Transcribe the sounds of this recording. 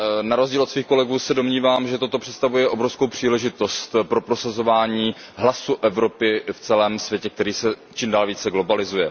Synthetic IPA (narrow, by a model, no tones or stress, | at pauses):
naɾozɟiːlot̪sviːxko̞lɛɡuːsɛdo̞mɲiːvaːmʒɛt̪o̞t̪o̞pr̥ɛt̪st̪avujɛʔo̞bɾofskowpr̝̥iːlɛʒɪt̪o̞st̪pɾo̞pɾo̞sazo̞vaːɲiː | ɦlasuʔɛvɾo̞pɪft͡sɛlɛːmsvjɛcɛk̚t̪ɛɾiːsɛt͡ʃiːmdaːlviːt͡sɛɡlo̞balɪzujɛ